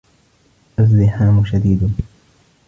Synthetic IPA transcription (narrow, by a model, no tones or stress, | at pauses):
ʔazːɪħaːmʊʃad̪iːd̪